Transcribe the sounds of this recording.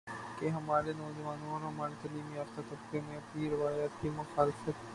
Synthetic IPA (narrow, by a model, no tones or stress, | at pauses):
keɦɐmaːɾenɔːd͡ʒɐʋaːnõɔːɾɦɐmaːɾet̪aːliːmiɔːɾt̪ɐt̪ɐbkemẽɐpniɾɪʋaːjaːt̪kimʊxaːlɪfət̪